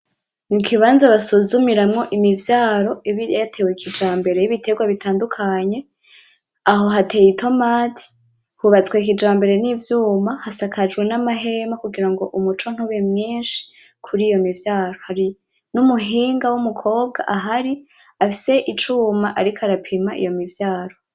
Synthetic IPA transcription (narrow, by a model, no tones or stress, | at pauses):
nikiβaːnzaβasuzumiɾamŋo̞ʔimivjaːɾo̞iβijatʰe̞wekʰid͡ʒaːmbe̞ɾe̞jiβitʰe̞ɡwaβitaːndukʰaɲe̞ | aɦo̞ɦatejitʰo̞maːtʰi̥ | huβat͡swek̬id͡ʒaːmbe̞ɾe̞niːvjuːmahasakʰad͡ʒɡwe̞namaɦe̞makuɡiɾaŋɡo̞ʔumut͡ʃo̞n̥huβemɲiːnʃi̥ | kʰuɾiːjo̞mivjaːɾo̞haɾi | numuɦiːŋɡawumukʰo̞ːb̚ɡa̰ʔaɦaɾi | afise̞ʔit͡ʃumaʔaɾikʰaɾapʰimaʔḭjo̞mivjaːɾo̞